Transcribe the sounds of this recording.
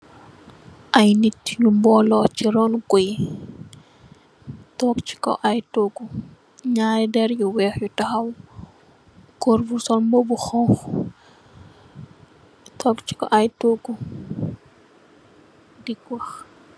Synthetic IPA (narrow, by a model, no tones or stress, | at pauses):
ʔɐjnitjumbɔːlɔt͡ʃiɾɔnkɔj | tɔk̚t͡ʃi̥kɔ̰ʔajtoɡu | ɲaːjdɛɾjuwɛːxjutɐxɐw | kɔɾvusɔnmbɔbuxɔŋx | tʰɔːkt͡ʃi̥kɔ̰ʔajtoɡu | dikwɐx